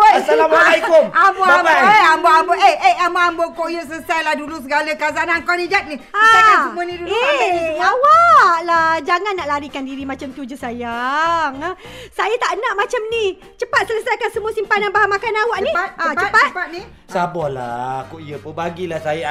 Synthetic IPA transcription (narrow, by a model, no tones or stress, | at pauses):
osalaaaikomamboaaeamboambɔeeamaambɔkoʔjəʔs̬ələsajlahdulus̬əɡaləkazanankɔnid͡ʒak̪̚niaajasəmunĩdulueawaʔlad͡ʒaŋanːaʔlaɾikandiɾimat͡ʃamt̪ud͡ʒusajaŋsajat̪aʔnaʔmat͡ʃamni | t͡ʃəpat̪̚sələsajkansəmũasimpanjanbaɦamakanawaʔnĩat̪aət͡ʃətpat̪̚pat̪̚ni | sabɔhla̰koijəpəbaɡilahsaja